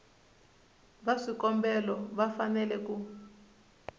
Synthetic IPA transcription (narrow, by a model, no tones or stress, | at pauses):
βaʂikɔmbɛlɔβafanɛlɛku